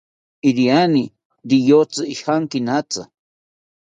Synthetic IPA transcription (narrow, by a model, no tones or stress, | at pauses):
iɾiani | ɾijot͡sɨiʃxaŋkinat͡sa̰